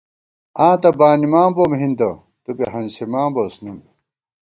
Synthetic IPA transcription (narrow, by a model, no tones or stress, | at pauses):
ãːt̪ɐbaːnimaːmbomɦind̪ɐ | t̪upeɦɐnsemaːmbosnum